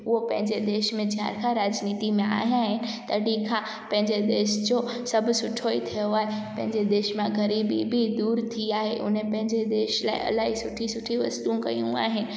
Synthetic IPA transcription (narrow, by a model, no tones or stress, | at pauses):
ʊɦopɐ̃ɦɪ̃ɲd͡ʑed̪eːʃmẽd͡ʑɦa̰ɾkʰãɾaːd͡ʑniːt̪imẽa̰ːɦijaːɦɪnɪ̆t̪ɐɽikʰã | pɐ̃ɦɪ̃ɲd͡ʑed̪eːʃd͡ʑo | sɐbʱʊsʊʈʰoit̪ʰijoaːɦepɐ̃ɦɪ̃ɲd͡ʑed̪eːʃmãɣɐɾiːbḭbʱid̪uːɾt̪ʰiaːɦeʔʊ̰nẽpɐ̃ɦɪ̃ɲd͡ʑed̪eːʃla̰ːɪ̰ʔɐ̰laːɦisʊʈʰisʊʈʰiʋɐst̪ũkɐ̰jṵ̃a̰ːɦɪnɪ̆